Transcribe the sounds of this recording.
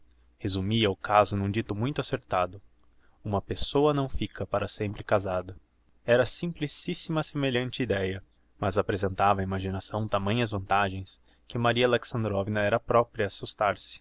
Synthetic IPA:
hezumiɐʊkazʊnũd͡ʒit̪ʊmũj̃t̪ʊaseɾt̪ad̪ʊ | ũmɐpesowɐnɐ̃w̃fikʰɐpaɾɐsẽmpɾɪkazad̪ɐ | ɛɾɐsĩmplisisimɐsemeʎɐ̃nt͡ʃɪid̪ɛjɐ | mɐzapɾezẽnt̪avɐːimaʒinasɐ̃w̃t̪amɐ̃j̃ɐzvɐ̃nt̪aʒẽj̃s | kɪmaɾiɐleksɐ̃nd̪ɾɔvinɐɛɾɐpɾɔpɾiɐːsust̪aɾsɪ̥

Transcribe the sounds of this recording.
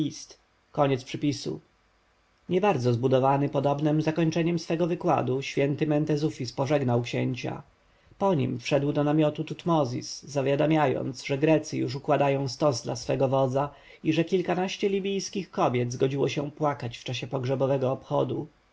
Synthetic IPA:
ist̪ | kɔɲɛt̪spʂɘpʲisṵ | ɲɛbaɾd̪zɔzbud̪ɔvanɘpɔd̪ɔbnɘmzakɔɲt͡ʂɛɲɛmsfɛɡɔvɘkwa̰d̪uɕfʲjɛnt̪ɘmɛnt̪ɛzufʲispɔʐɛɡnawkɕɛɲt͡ɕa̰ | pɔɲḭmfʂɛd̪wd̪ɔnamʲjɔt̪ut̪ut̪mɔzʲḭsːavʲjad̪amʲjajɔ̰ndt̪sʐɛɡɾɛt̪sɨjṵʂ̬ukwad̪ajɔ̃w̃st̪ɔzd̪la̰sfɛɡɔvɔd̪za | iʐɛkʲilkanaɕt͡ɕɛlʲibʲijskʲixkɔbʲjɛd̪zɡɔd͡ʑiwɔɕɛpwakat͡ɕft͡ʂaɕɛpɔɡʐɛbɔvɛɡɔːpxɔd̪u

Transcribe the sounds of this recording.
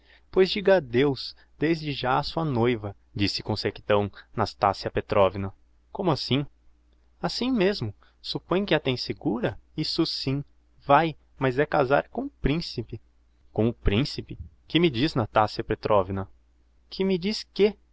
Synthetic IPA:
pojzd͡ʒiɡad̪ews | d̪̥ezd͡ʒɪʒaɐsuɐnojvɐ | d͡ʒisɪ̥kõseki̥t̪ɐ̃w̃nast̪a̰siɐpet̪ɾʔɔvinɐ | kõmʊasĩ | asĩmezmʊ | supõj̃kɪat̪ẽj̃sɪɡuɾɐisʊsĩ | vaj | mɐzɛkaza̰ɾkõʊpɾĩsipɪ | kõʊpɾĩsipɪ | kɪmɪd͡ʒiznast̪asiɐpet̪ɾʔɔvinɐ | kʰɪmɪd͡ʒiskɪ

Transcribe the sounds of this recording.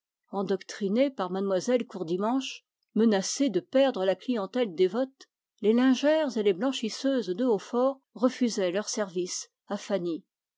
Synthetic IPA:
ɑ̃d̪ɔkt̪χinepaʁmad̪mwazɛlkuʁd̪imɑ̃ʃ | mənased̪əpɛʁd̪ʁəlaklijɑ̃t̪ɛld̪evɔt̪ | lelɛ̃ʒɛʁzeleblɑ̃ʃisøzd̪əofɔʁːəfyzɛlœʁsɛʁvis | afani

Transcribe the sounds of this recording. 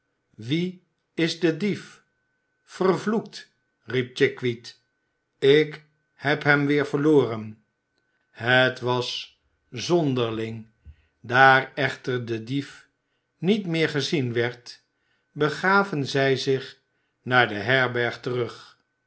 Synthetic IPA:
ʋi | ɪzdədif | fərvluk̚t | rip̚t͡ʃɪkʋit | ɪk | hɛpɦɛmʋɪːɹvəɹloːrən | ɦətʋɑs | zɔndəɹlɪŋ | daːrɛχtəɹdədif | nitmɪːɹχəzinʋɛɹt | bəχaːvənzɛjzɪχ | naːɹdəɦɛɹbɛɹχtərɵχ

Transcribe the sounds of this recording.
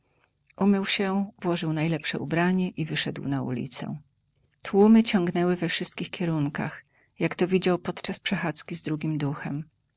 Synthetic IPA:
ʔumɘwɕɛvwɔʐɘwnajlɛpʂɛ̰ṵbɾaɲɛʔivɘʂɛd̪wnaṵlʲḭt̪sɛ̰ | t̪wumɘt͡ɕɔŋɡnɛwɘvɛfʂɘst̪̚kʲixkʲɛɾuŋka̰x | jakt̪ɔvʲid͡ʑawpɔt̪t͡ʂaspʂɛxat̪skʲizd̪ɾuɡʲimd̪uxɛm

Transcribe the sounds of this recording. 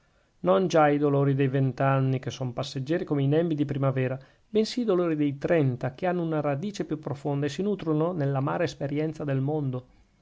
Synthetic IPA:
nond͡ʒaid̪oloːɾid̪ejvent̪anːikesːompasːed͡ʒːɛːɾikomeinɛmbid̪ipɾimavɛːɾa | bensiːd̪oloːɾid̪ejt̪ɾɛnt̪akeanːounaɾad̪iːt͡ʃepjupːɾofond̪aes̬inuːt̪ɾononelːama̰ːɾaespeɾjɛnt̪sad̪elmond̪o

